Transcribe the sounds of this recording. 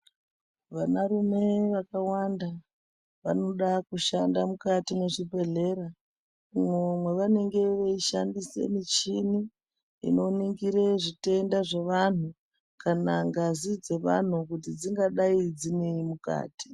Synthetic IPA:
ʋanarume̞ʋakawanda | ʋano̞ɗakuʃandamukatine̞ʐibʱe̞ɮe̞ɾa | mwomwe̞ʋane̞ŋɡe̞ʋeiʃandise̞̰mit͡ʃini | ḭno̞niŋɡiɾeʐite̞ndaʐeʋan̤u | kanaŋɡazid͡ze̞ʋa̰n̤ukutid͡ziŋɡaɗaid͡zine̞imuka̰ːti̥

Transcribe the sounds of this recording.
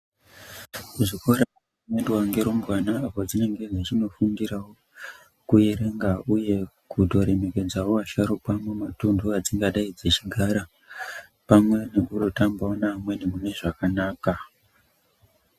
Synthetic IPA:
kuʐiko̞ɾa | nendwaŋɡe̞ɾo̞mbwanaːpo̞d͡zine̞ŋɡe̞d͡zet͡ʃino̞fundiɾawo | kuje̞ɾe̞ŋɡauje̞ | kudʱo̞ɾe̞me̞ke̞d͡zawoaʃaɾopamwematunduad͡ziŋɡaɗaid͡ze̞t͡ʃiɡʱaɾa | pamwe̞ne̞kurotambaonamwe̞ne̞mune̞ʐakanaːka

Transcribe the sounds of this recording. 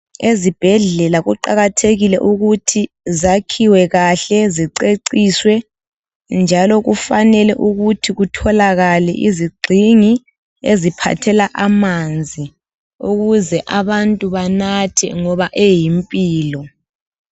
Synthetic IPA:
ezib̥ʱɛɮɛlaɣuǃaɣatʰeɣilɛ̰ʔuɣutʰi | zakʰiwɛɣaɬɛziǀeǀiːswɛ | nd͡ʒʱalɔɣufanɛlɛ̰ʔuɣutʰiɣutʰɔlaɣalɛ̰ʔiziɡ͡ǀʱiŋi | ezipʰa̰tʰɛlaʔamand͡zʱi | uɣuzɛʔaβantʼuβanatʰɛ̰ŋɔβaʔejimpʼiːlɔ

